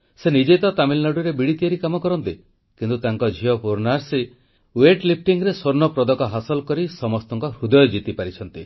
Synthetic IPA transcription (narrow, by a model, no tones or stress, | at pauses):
senid͡ʒet̪ɔt̪amilnɔɽuɾebiɽit̪iaɾikamɔkɔɾɔnt̪i | kint̪ut̪aŋkɔd͡ʒʱiɔpuɾnaɾsi | weʈlip̚ʰʈiŋɡɾesoɾnɔpɾɔd̪ɔkɔɦasɔlkɔɾisɔmɔst̪ɔŋkɔɾud̪ɔjɔd͡ʒit̪ipaɾit͡ʃʰɔnt̪i